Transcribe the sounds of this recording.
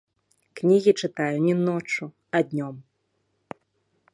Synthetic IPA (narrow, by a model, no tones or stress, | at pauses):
knʲiɣʲit͡ʂɨt̪ajunʲinɔt͡ʂu | ɐd̪ʲnʲɔm